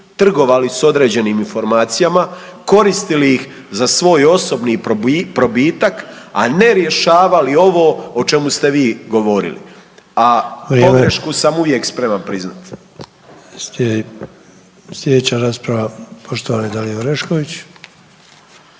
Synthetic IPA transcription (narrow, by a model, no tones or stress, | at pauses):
t̪r̩ɡo̞ʋaliso̞d̪ɾe̞ːd͡ʑe̞niːminfo̞ɾmaːt̪sijamako̞ɾist̪iliix | zasʋo̞ːjo̞so̞bnipɾo̞biːt̪ak | a̰ne̞ɾje̞ʃaːʋalio̞ʋoːot͡ʃe̞must̪e̞ʋiːɡo̞ʋo̞ɾḭlḭauɾomɡɾeʃkusamuʋje̞kspɾe̞manpɾizna̰t̪ | se | slʲed̪et͡ɕaɾaːspɾaʋapoʃt̪oʋaːnid̪alijoɾeʃkoʋit͡ɕ